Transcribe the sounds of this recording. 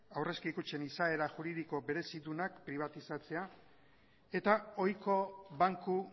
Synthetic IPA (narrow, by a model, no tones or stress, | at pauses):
awre̞skikut͡se̞nisae̞ɾaʝuɾiðiko̞be̞ɾe̞siðunakpɾiβ̞at̪isat͡se̞a | e̞t̪ao̞jko̞βaŋku